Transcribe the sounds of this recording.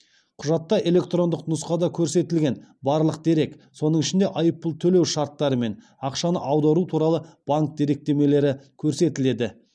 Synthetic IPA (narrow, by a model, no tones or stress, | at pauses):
qʰʊʒɑt̪ːɑʔe̞le̞k̚t̪ro̞nd̪əqnʊsqɑd̪ɑkʲʰɵɾse̞t̪ɪlɡʲe̞nbɑɾlˠəq̚d̪e̞ɾe̞kso̞nəɴɪʃɪnd̪eʔɑjəpːəlˠt̪ʰɵle̞wʃɑɾt̪ːɑɾəme̞n | ɑqʃɑnə̰ʔɑwd̪ɑɾut̪ʰuɾɑlˠəb̥aŋk̚d̪e̞ɾe̞k̚t̪e̞me̞le̞ɾɪkʲʰɵɾse̞t̪ɪle̞d̪ɪ